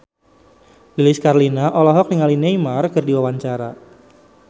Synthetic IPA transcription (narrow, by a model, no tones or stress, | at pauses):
lilɪskarlinaʔɔlɔɦɔk̚niŋalineimarkərdiwawaɲt͡ʃaɾa